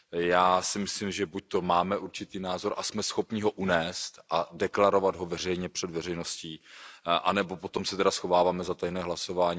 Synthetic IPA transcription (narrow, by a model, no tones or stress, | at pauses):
jaːsɪmɪslimʒɛbuc̚t̪o̞maːmɛʔuɾt͡ʃɪt̪iːnaːzo̞ɾʔasmɛsxo̞pɲɪɦo̞ʔunɛːst̪ʔadɛklaɾo̞vad̪ɦo̞vɛr̝ɛjɲɛpr̥ɛd̪vɛrɛjnosciːʔa̰nɛbo̞po̞t̪o̞msɛt̪ɛdasxo̞vaːvaːmɛzat̪ajnɛːɦlaso̞vaːɲiː